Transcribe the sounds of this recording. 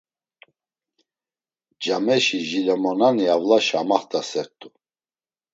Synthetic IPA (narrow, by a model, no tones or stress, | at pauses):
d͡ʒamɛʃiʒilɛmɔnaniavlaʃamaχt̪ʼasɛɾt̪ʼu